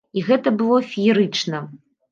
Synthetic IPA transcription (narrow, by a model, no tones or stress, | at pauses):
iɣɛt̪ɐbɨlˠɔfʲiiɾɨt͡ʂnɐ